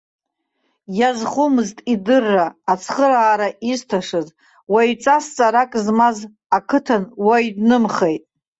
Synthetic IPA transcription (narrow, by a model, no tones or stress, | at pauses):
jazχumɨztʼidɨrːaːt͡sʰχəɾaːɾaʔiztʰaʂɨz | wait͡sʼast͡sʼaɾakʼzmaz | akʰɨtʰanwajdnɨmχejtʼ